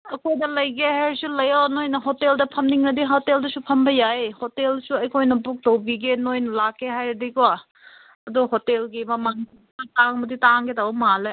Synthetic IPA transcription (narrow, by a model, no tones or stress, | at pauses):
ɐkʰojdɐlɐjɡeɦaɾisulɐjawanojnɐɦoteldɐpʰɐmniŋnɐdiɦoteldɐsupʰɐmbɐjajhotelsuɐjkʰojnɐbuk̚towbiɡenojnɐlakːeɦajɾɐdikowa | ɐduhotelɡimɐmaŋii | ataŋmɐditaŋɡedawɔmala